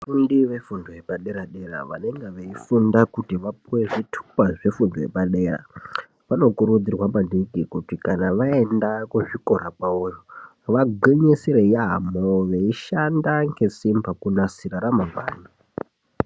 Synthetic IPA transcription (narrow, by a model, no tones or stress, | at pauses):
afundiʋe̞fundojepaɗe̞ɾaɗe̞ra̰ʋa̰ne̞ŋɡeʋeifundakutiʋap̚uwe̞ʐitʰu̥paʐe̞fundoje̞̰paɗe̞ɾa̰ | ʋano̞kuɾud͡zirwamaniɡʱikutikanaʋaendakuʐiko̞ɾakaojo | ʋaɡʱeɲesiɾeiaamoʋeiʃandaŋɡe̞simbakunasiɾaɾamaŋɡwa̰ːni